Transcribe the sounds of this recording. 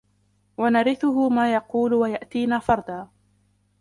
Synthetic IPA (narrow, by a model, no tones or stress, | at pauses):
wanɑɾɪθʊɦʊmaːjɑquːlʊwajaʔt̪iːnaːfɑɾˤd̪aː